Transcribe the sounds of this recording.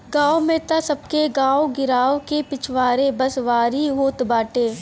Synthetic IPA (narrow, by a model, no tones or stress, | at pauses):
ɡaːomẽt̪asɐb̚keɡãːoɡɪɾaːʋkepɪt͡ʃʰʋaːɾebɐsʋaːɾiɦoːt̪baːʈeː